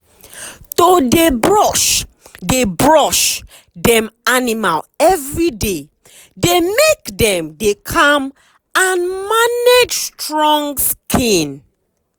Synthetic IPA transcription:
todebɹɔʃ | debɹɔʃ | dɛ̃manima̰lɛvɹide | demekdɛ̃mdekʰam | ãnmaned͡ʒstɹɔ̃ŋɡskʰĩn

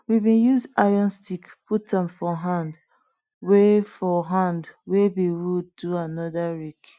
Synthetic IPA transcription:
wibĩjuzajɔ̃nstikputãmfɔɦãnd | wefɔɦãndwebiwuduanɔdaɹik

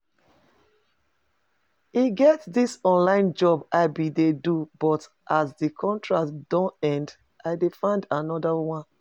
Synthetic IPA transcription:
iɡɛtdisɔ̃nlãɪ̃nd͡ʒɔbaɪbidedubɔt | ʔasdikʰɔ̃ntɹatd̥ɔ̃nɛ̃nd | ʔaɪdefãɪ̃ndanɔdawãn

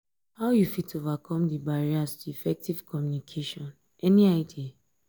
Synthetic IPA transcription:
haʊjufitovakʰɔ̃mdibaɹiastuifɛk̚tiv̥kɔmjunikʰeʃɔ̃n | ɛniaɪdi

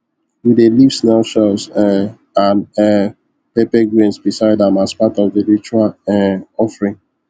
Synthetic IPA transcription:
widelivsnɛlʃɛz | ãnɛ | pepeɡɹĩnsbisaɪdɛ̃mazpatɔvdeɹit͡ʃualɛɔfɹĩŋ

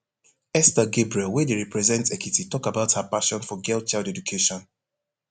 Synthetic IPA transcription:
ɛstəɡebɹiɛlwɛ̃deɹɛpɹɛzɛ̃ntsɛkititɔkabaʊthapaʃɔ̃nfɔɡɛlt̚t͡ʃaldɛdukʰeʃɔ̃n

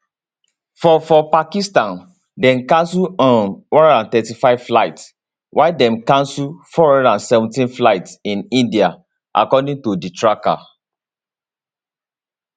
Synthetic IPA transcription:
fɔfɔpakistãn | dɛ̃mkãnsuɔ̃nwɔ̃nãntɛtifaɪv̥flaɪts | wʔaɪdɛ̃mkãnsufɔɹɔ̃dãnsɛvɔ̃ntĩnflaɪtsĩnĩndia | ʔa̰kɔdĩŋtuditɹaka̰

